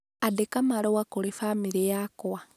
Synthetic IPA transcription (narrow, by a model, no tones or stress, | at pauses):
adekamalowakolefamiɾejakowa